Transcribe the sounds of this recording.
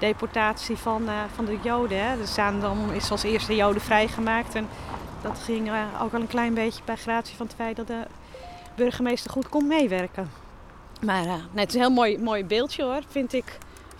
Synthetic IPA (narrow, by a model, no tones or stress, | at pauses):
d̥ejpɔrtaːsifɔnfɔndəjowdəɦɛdsaːndɔnɪsəɔlˠsɪːstəjowdəfrɛjχəmaːktɛndɔtχɪŋo̰ːkɔlˠənklɛjnbeːçjəbɛjxraːtsifɔnətfɛjt̚dɔt̚də | børχəmejstərχutkonmejʋɛrkə | maːrnɛtɪsənhɪːlˠmojmoːjbɪːlˠtjəorfɪntɪk